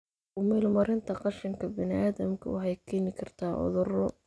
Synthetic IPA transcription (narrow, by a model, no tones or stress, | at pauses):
ʊmɛːlmɐɾɪnt̪ʰɐqɑʃɪŋkʰɐbɪnɪʔaːðɐmkʰɐ̰ʊħɛjkʰɛːnɪkʰɐrt̪ʰaːʔɔ̰ðʊrɔ